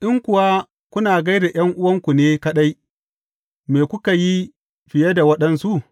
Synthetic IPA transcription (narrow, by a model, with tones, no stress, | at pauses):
ʔɪ˦ŋkʷʊ˨wa˦ | kʷʊ˦naː˨ɡɐ˦jda˨j̰ɐ˦ŋʔʊ˦wɐ˦ŋkʷu˨neː˦kɐ˦ɗa˦j | meː˨kʷʊ˦ka˨ji˦ | ɸɪ˨jɐ˦da˨wɐ˦ɗɐ˦nsu˦ʔ